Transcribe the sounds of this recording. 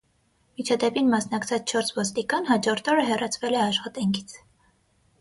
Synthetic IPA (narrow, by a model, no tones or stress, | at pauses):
mit͡ʃʰɑd̪ɛpinmɑsnɑkt͡sʰɑt͡sʰt͡ʃʰɔɾsvɔst̪ikɑnhɑd͡ʒɔɾt̪ʰɔɾəɦɛrɑt͡sʰvɛlɛɑʃχɑt̪ɑŋkʰi̥t͡sʰ